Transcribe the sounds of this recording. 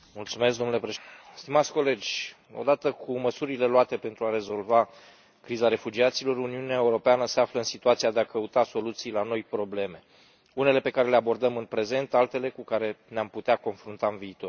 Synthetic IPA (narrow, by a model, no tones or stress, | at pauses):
mult̪sume̞s̬d̪onule̞pɾeʃst̪imat̪sʲko̞le̞d͡ʒʲ | o̰d̪at̪əkʰuməsuɾile̞loat̪e̞pe̞nt̪ɾuaɾe̞zo̞lva | kɾizaɾe̞fud͡ʒiat̪silo̞ɾuniuneaeuɾo̞peanəse̞afləɨnsit̪uat̪siad̪e̞akəut̪aso̞lut̪sijlano̞jpɾo̞ble̞me̞ | une̞le̞pe̞kaɾe̞leabo̞rd̪əmɨnpɾe̞ze̞nt̪alt̪e̞le̞kukaɾe̞neamput̪eako̞nfɾunt̪aɨnviːt̪o̞r